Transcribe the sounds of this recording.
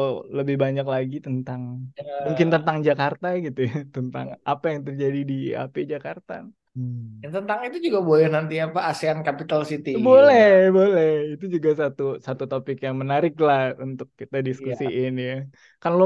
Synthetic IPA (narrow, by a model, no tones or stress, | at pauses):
ləbɪhbaɲaklaɡit̪ənt̪aŋmuŋkɪnt̪ənt̪aŋd͡ʒakart̪aɡit̪ujat̪ənt̪a̰ŋa̰pajaŋt̪ərd͡ʒadidia̰ped͡ʒakart̪a̰ | jat̪ənt̪aŋit̪ud͡ʒuɡabolɛhnant̪iapaːsiankapit̪alsit̪ibolɛhbolɛhit̪ud͡ʒuɡasat̪usat̪ut̪opɪkjaŋmənaɾɪklahunt̪ʊkːit̪adiskkusiʔɪnja | kanlo